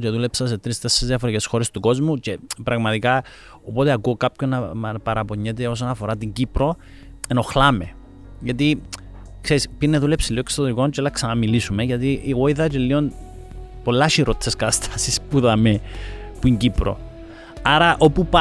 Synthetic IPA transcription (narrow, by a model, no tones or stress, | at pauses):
ceðule̞psɐs̬e̞t̪ɾist̪e̞sːezðiɐfoɾicesxo̞ɾe̞st̪uko̞zmuce̞pɾʔɐɣmɐt̪ika | opo̞t̪eakuːkapçonːɐmpɐɾɐpo̞ɲːet̪̬eo̞s̬onɐfo̞ɾat̪iɲɟipɾo̞ | eno̞xlame | ʝɐt̪i | kseɾispiɾneðulepsiloekst̪oðɾiko̞nt͡ʃeelːɐksɐnɐmilisume̞ʝɐt̪iʔeɣoiðɐtelːio̞n | po̞lːɐʃiɾo̞t̪ʰːeskɐt̪ɐst̪ʰasispuðɐme | puiɲɟipɾo̰ | aɾɐʔo̞pupa